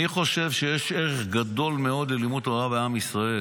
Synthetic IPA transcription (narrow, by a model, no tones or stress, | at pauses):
iχo̞ʃe̞vʃe̞jeʃeʁeχɡad̪o̞lmeo̞d̪lelimutoaveamisʁae